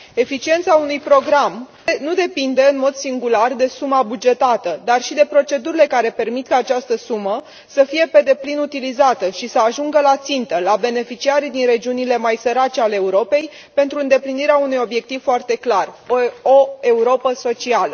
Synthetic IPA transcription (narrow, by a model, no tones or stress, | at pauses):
e̞fit͡ʃie̞nt̪saunujpɾo̞ɡɾam | nud̪e̞pind̪e̞ɨnmo̞d̪siŋɡulard̪e̞sumabud͡ʒe̞t̪at̪əd̪arʃid̪e̞pɾo̞t͡ʃe̞d̪uɾile̞kaɾe̞pe̞rmit̪kaːt͡ʃast̪əsumə | səfije̞pe̞d̪e̞plinut̪ilizat̪əʃisəaʒuŋɡəlat̪sint̪əlabe̞ne̞fit͡ʃiaɾid̪inre̞d͡ʒiunile̞majsəɾat͡ʃeale̞ːuɾo̞pe̞j | pe̞nt̪ɾuɨnd̪e̞pliniɾeaunujo̞bje̞k̚t̪iv̥foart̪e̞klarooe̞uɾo̞pəso̞t͡ʃialə